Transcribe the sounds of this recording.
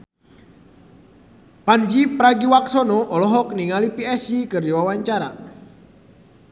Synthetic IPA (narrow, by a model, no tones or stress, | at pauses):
pand͡ʒipɾaɡiwaksɔnɔʔɔlɔɦɔk̚niŋalipiɛsikɨrd͡ʒiwawaɲt͡ʃaɾa̰